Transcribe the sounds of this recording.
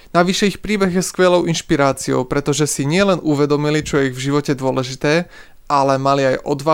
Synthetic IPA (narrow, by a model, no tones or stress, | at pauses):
naʋiʃɛixpɾiːbɛɣjɛskʋɛlɔʊinʃpiɾaːt͡siɔ̰ʊpɾɛt̪ɔʒɛsiɲɪɛlɛnuʋɛd̪ɔmilit͡ʃɔjɛiɣvʒiʋɔcɛd̪ʊɔlɛʒit̪ɛː | ʔalɛmaliajʔɔd̪ʋa